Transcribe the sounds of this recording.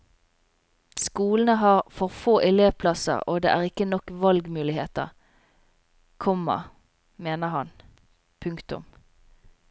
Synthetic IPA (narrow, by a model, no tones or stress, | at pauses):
skuːln̩əɦɑːʁfɔʁfoːʔɪleːʋpʰlɑsə̰ʁoːd̪ḛːæːʁɪkənɔkʋɑlɡmʉːlɪheːt̪ə̰ʁ | kʰɔmːɑ̰ | meːnəʁhɑn | pʰʉŋkt̪ʊ̰m